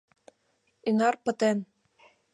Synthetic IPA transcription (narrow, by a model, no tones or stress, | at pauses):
inɑrpɤ̆t̪en